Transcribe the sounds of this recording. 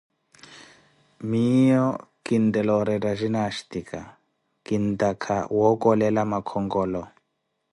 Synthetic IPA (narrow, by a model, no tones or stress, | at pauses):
mijɔkindɛlɔɾɛtaʒinaʃtikʰa | kintakʰa̰wɔkʼɔlɛlamakʰɔŋɡɔːlɔ